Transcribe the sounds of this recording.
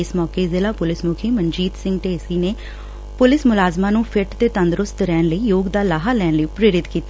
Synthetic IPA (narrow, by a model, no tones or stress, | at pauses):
ɪsmɔːkeːzeːlaːpʊlɪsmʊkʰiːməɲd͡ʒiːt̪sɪ̃ŋɡʈ̪eːɪsiːneː | pʊlɪsmʊlaːzmaːnũːpʰɪʈt̪eːt̪ənd̪ɾʊst̪ɾɛːnləiːjoːɡd̪aːlaːɦaːlɛːnləiːpɾeːɾɪt̪kiːt̪a